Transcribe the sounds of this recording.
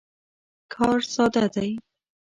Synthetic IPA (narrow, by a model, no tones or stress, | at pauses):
kʰɑɾsɑd̪ad̪aj